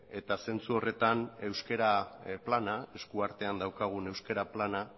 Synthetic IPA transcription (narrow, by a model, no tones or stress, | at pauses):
e̞t̪ase̞nt͡suo̞re̞t̪ane̞wske̞ɾaplanae̞skuaɾt̪e̞and̪awkaɣ̞une̞wske̞ɾaplana